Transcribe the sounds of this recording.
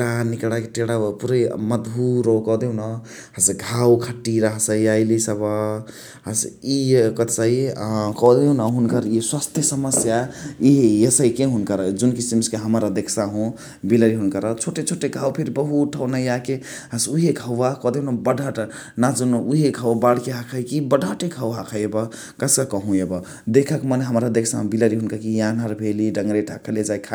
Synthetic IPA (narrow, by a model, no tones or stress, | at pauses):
ɽanikɽakeʈeɽapuɾeməd̪bʱuɾokɔd̪eũnɔ | ɦasɡʱawkʰəʈːiɾəɦsəjajlisəba | ɦasikət̪səikɔd̪eũnaɦunkəɾiswast̪ʰjesəməsjaiɦjesəjkeɦunkəɾəd͡ʒunkisimskeɦəməɾəd̪ekʰsaɦũ | biləɾiɦunkəɾət͡ʃʰoʈet͡ʃʰoʈeɡʱawpʰiɾbəɦuʈʰəwnajake | ɦəsuɦeɡʱəwːakɔd̪ejunabəɖʱaʈ | nad͡ʒunuɦeɡʱawbaɽkeɦakʰəjkibəɖʱaʈeɡʱəwɦakʰəebə | kəskəkəɦũebə | d̪ekʰəkməneɦəmɾaəd̪eksaɦũbiləɾiɦunkəkijãnəɾbʱeliɖəŋɡɾeʈʰakʰəled͡ʒajkʰa